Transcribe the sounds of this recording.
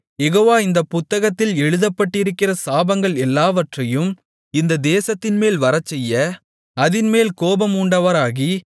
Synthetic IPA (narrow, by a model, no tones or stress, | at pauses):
jɛɣoːʋaːɪnd̪ɐpʊt̪ːɐɣɐt̪ːɪlɛɻɯðɐpːɐʈːɪɾɯkːɪrɐsaːbɐŋɡɐɭɛlːaːʋɐʈrɐjɯm | ɪnd̪ɐd̪eːsɐt̪ːɪnmeːlʋɐɾɐt͡ʃːɛjːɐ | ɐðɪnmeːlkoːbɐmuːɳɖɐʋɐɾaːɣi